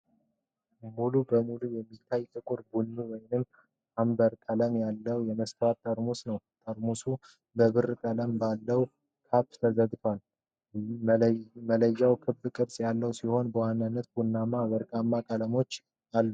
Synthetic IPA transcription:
mulubəmulujɛmːit̪ʰːajt̪ʼɨkʼʊɾbunːuwɔjnɨm | ʔambəɾkʼələmjalːəwjɛməst̪ʰat̪ʼːəɾmusnəwt̪ʼəɾmusu | bəβɨrk̪ʼələmbalːəw | kʰapt̪ʰəzəd̪t̪ʰoal | mələjːawkʰɨbɨkʼɨɾsʼjalːəwsiho̞nbəwanːanːət̪bunːamaβəɾkʼamːakʼələmo̞t͡ʃː | alːu

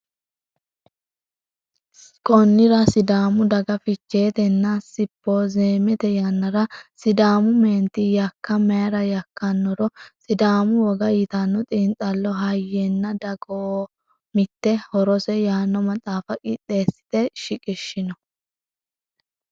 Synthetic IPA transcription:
kʼɔnːɪɾɐsɪd̪aːmʊd̪ɐɡɐfɪt͡ʃːe̞ːt̪ɛnːɐsɪpːoːze̞ːmɛt̪ɛjaːnːɐɾɐsɪd̪aːmʊmeːnt̪ːɪjɐkːɐmɛjɐɾɐjɐkːɐnːɔɾɔsɪd̪aːmʊwɔɡɐɪt̪ɐnːɔt̪ʼiːnt̪ʼɐlːɔɦɐjːenːɐd̪ɐɡoː | mɪt̪ːɛhɔɾɔsɛjaːnːɔmɐt͡sʼaːfɐkʼɪt̪ːe̞ːsɪ̥d̪ɛʃɪkʼɪʃːɪnɔ

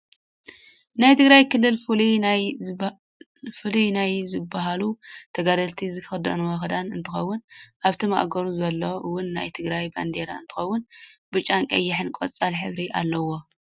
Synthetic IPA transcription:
najt̪ʰɨɡɾajkʰɨlːɨlfli | fɨlinajzɨbːaɦalut̪ʰɐɡad̪ɐlt̪ʰizɨkɨd̪ɐ̰nuwɐxd̪anɨnt̪ʰɨxɐwːʊnʔaβt̪ʰima̰ʔɡɐɾuzɐlːo̞ʔɨwːʊnːa̰jt̪ʰɨɡɾajba̰nd̪eɾa̰ɨ̰nt̪ʰɨxɐwːʊnbɨt͡ʃʼaŋkʼɐjːɪħɨnkʷʼot͡sʼalħɨβɾiʔa̰lːɐwo̞

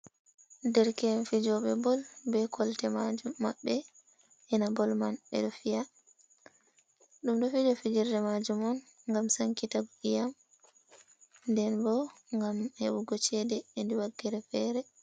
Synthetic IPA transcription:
dɛɾkɛnfid͡ʒɔɓɛbɔlbɛkʰɔltɛmad͡ʒumːa̰ɓːɛ | ʔɛnabɔlmanɓɛ̰ɗɔfija | ɗumɗɔfid͡ʒɔfid͡ʒiɾdɛmad͡ʒumɔn | ŋɡamsaŋkitabuʔijam | ndɛnbɔŋɡamheɓuɡɔt͡ʃɛdɛindiwaɡːiɾɛfɛːɾɛ

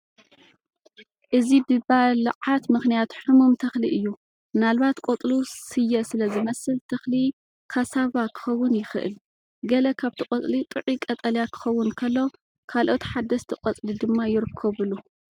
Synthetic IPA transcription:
ʔɨzibɨbalʕat̪mɨxnijat̪ħɨmumt̪ʰɐxliʔɨjːu | nalβat̪kʼot̪ʼlusɨjːɐsɨlɐzɨmɐsɨlt̪ʰɐxli | kʰasaβakʰɨ̥xɐwːʊnjɪxɨʔɨ̰l | ɡɐlɐkʰaβt̪ʰikʼɐt͡s̪ʼlit̪ʼɨʕikʼɐt̪ʼɐljakʰɨ̥xɐwːʊnkʰɐlːo̞ | kʰalʔo̞t̪ħad̪ɐst̪ʰɨqʼɐt͡sʼlid̪ɨmːajɪɾɨkʰːɐβɨlu

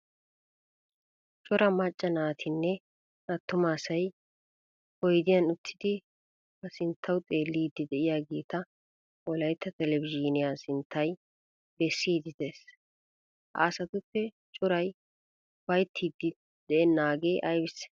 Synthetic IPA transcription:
t͡ʃʼʊɾɐmɐt͡ʃʼːɐnaːt̪ʰɪnːɛ | nɐt̪ːʊmaːsɐj | hɔjd̪ɪjɐnʊt̪ʰːɪd̪ɪ | bɐsɪnt̪ʰːɐwt̪ʼeːlːiːd̪ːɪd̪ɛʔɪjaːɡeːt̪ɐ | wɔlɐjt̪ːɐt̪ɛlɛbɪʒiːnɪjaːsɪnt̪ʰːɐj | bɛsːiːd̪ɪd̪eːs | ʔa̰ːsɐt̪ʊpːɛ | t͡ʃʼʊɾɐj | wɐjt̪ʰːiːd̪ːɪ | d̪̥ɛɛnːaːɡe̞ːʔɐjbɪs

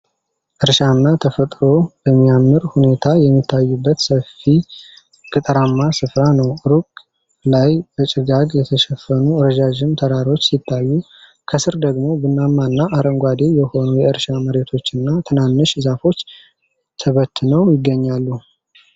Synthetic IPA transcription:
ʔɨɾʃanːat̪ʰəfət̪ʼɾo̞bəmːijamːɨɾhune̞t̪ʰajɛmːit̪ʰːajːubːət̪səfi | kʼɨt̪ʼəɾamːasɨfɾanəwɾukʼ | lajbət͡ʃʼɪɡaɡjɛt̪ʰəʃɛfːənuɾəʒaʒɪmt̪ʰəɾaɾo̞t͡ʃːsit̪ʰːajːu | kʰəsɨɾd̪əɡmo̞bɨnːamːanːaʔaɾəŋɡʷad̪e̞jɛho̞nujɛɨɾʃaməɾe̞t̪ʰo̞t͡ʃːɨnːat̪ʰɨnanːɨʃɨzafo̞t͡ʃː | t̪ʰəβət̪ʰːɨnəwjɪɡːəɲːalːu

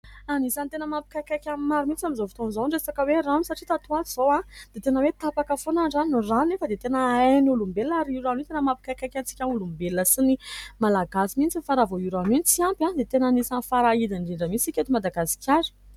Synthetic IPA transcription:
anisant̪enəmapi̥kakakʲammaɾumint͡samizofi̥t̪onzonɖ͡ʐesakəweranisaʈ͡ʂit̪at̪uaz̥owãd̪̥et̪enəwet̪apakəfonaɖ͡ʐanuranefəd̪et̪enəenulumbeliaɾiiɾanit̪enəmapi̥kakakʲant͡si̥kʲaulumbelinəsinimalaɡasimint͡sifaɾavoiɾamint͡siampãd̪et̪enanisanfaɾaid̪iɳɖ͡ʐiɳɖ͡ʐəmit͡sikʲet̪umad̪aɡasi̥kʲaɾi̥

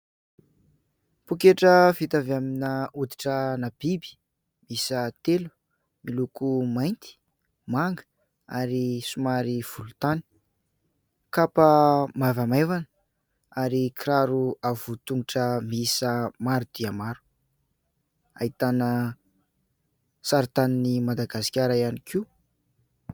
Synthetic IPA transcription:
pukeʈ͡ʂəfit̪avaminaud̪i̥ʈ͡ʂənab̥ibi̥ | misət̪elu̥ | milukumajnt̪i̥ | maŋɡ | a̰ɾisumaɾiv̥ulut̪ani̥ | kapəmavamevan | aɾikɾaɾuav̥ut̪uŋiʈ͡ʂəmisəmaɾud̪̥iamaɾu̥ | ait̪anə | saɾt̪aninimad̪aɡasi̥kʲaɾaianikʰiu

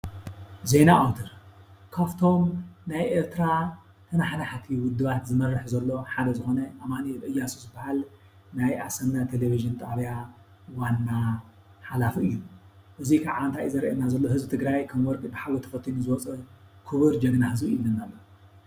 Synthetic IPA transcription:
ze̞naʔawt̪ʰɨɾkʰaft̪ʰo̞mnajʔeɾt̪ʰɨɾa | t̪ʰɐnaħnaħt̪ʰiwʊd̪ːɨβat̪zɨmɐrːɨħzɐlːo̞ħad̪ɐzɨxo̞nɐʔaβmaniʔɨjːasuzɨbːahal | najʔasɐmnat̪ʰeleβiʒɨnt̪ʼaβja | wanːa | ħalafɨjːuʔɨzikʰaʕaɨnt̪ʰajizɐɾʔɐnːazɐlːohɨzbɨt̪ʰɨɡɾajkʰɐmwɔɾkʼibɨħawɐt̪ʰɐ̥fɐt̪ʰːinuzɨwɔt͡sʼɐkʰɨβɨɾd͡ʒɐɡnahɨzbiilːɐnːalːo

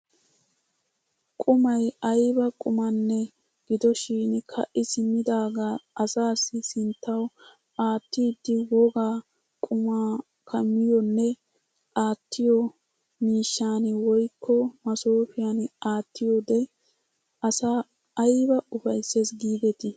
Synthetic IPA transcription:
kʼʊmɐjɐjbɐkʼʊmɐnːɛ | ɡ̥ɪd̪ɔʃiːnkʰɐ̰ʔɪsɪmɪd̪aːɡaːɐsaːsɪsɪnt̪ːɐw | aːt̪ːiːd̪ːɪwɔɡaː | kʼʊmaː | kʰɐmːɪjɔnːɛ | ʔaːt̪ʰːɪjɔ | miːʃːaːnwɔjkʰːɔmɐsoːfɪjanaːt̪ːɪjɔd̪ɛ | ɐsa | ɐjbɐʊfɐjse̞ːsɡiːd̪ɛt̪ɪ

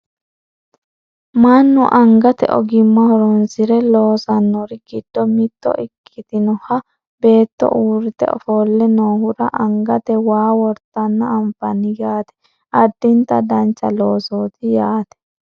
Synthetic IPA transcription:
manːʊʔɐŋɡɐt̪ɛ̰ʔɔɡɪmːɐhɔɾɔnsɪɾɛlo̞ːsɐnːɔɾɪɡɪd̪̥ːɔmɪt̪ːɔ̰ʔɪkʰːɪt̪ɪnɔhɐ | be̞ːt̪ːɔ̰ʔuːɾɪt̪ɛ̰ɔ̰foːlːɛnoːhʊɾɐʔɐŋɡɐt̪ɛwaːwɔɾt̪ːɐnːɐːɱfɐnɪjaːt̪ɛ̥ | ɐd̪ːɪnt̪ːɐd̪ɐnt͡ʃːɐ̰loːsoːt̪ɪjaːt̪ɛ̥

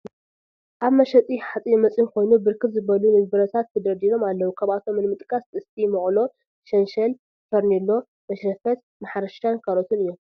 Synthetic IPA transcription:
ʔaβmɐʃɐt͡s̪ʼiħat͡sʼijɛmɐt͡sʼinkʰo̞jnubɨɾkʰɨbzɨbɐlumɨɡ̚bɨɾɐt̪ʰat̪ʰːɐd̪ɐɾd̪iɾo̞malːɐwukʰaβat̪ʰo̞mːɨnmɨt̪ʼkʼɐsɨst̪ʰimɐʔʼlo̞ | ʃɐnʃɐl | fɐɾnilːo̞ | mɐʃɐfɐt̪̚ | maħɾɐʃankʰɐɾot̪ʰunɨjːom

